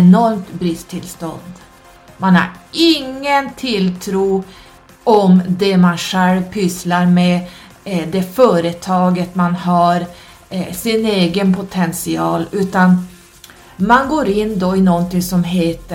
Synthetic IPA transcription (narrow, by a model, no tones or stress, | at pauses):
nɔɾmt̪bɾɪst̪ʰɪlst̪ɔ̰nd̪ | manha̰ɾɪŋːənt̪ʰɪlt̪ʰɾuː | ʔɔmd̪ɛmanɧɛlvpʰʏslaɾmɛ | d̪ɛfœːɾət̪ʰɑːɡət̪manɦaɾ | sɪneːɡənpʰʊt̪ʰɛnsɪɑːlʉ̟ːt̪an | manɡoːɾɪnːd̪oɪnɔnt̪ɪŋsɔmɦeːt̪ə